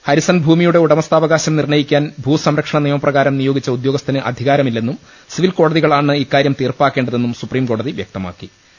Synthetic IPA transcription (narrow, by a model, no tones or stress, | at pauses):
hɐɾisɐnbʱuːmijuɽe̞uɽɐmɐst̪aːʋɐɣaːɕɐmnirɳɐjikʲːaːnbʱuːsɐmɾɐkʂɐɳɐnijɐmɐprɐɣaːɾɐmnijo̞ːɡit͡ɕːɐud̪joːɡɐst̪ʰɐnɨʔɐ̰d̪ʱiɣaːɾɐmilːe̞nːum | siʋilko̞ːɽɐðiɣɐɭaːɳːɨikːaːɾjɐmt̪iːrpaːkːe̞ːɳɖɐðe̞nːumsupriːmko̞ːɽɐðiʋjɐk̚t̪ɐma̰ːkːi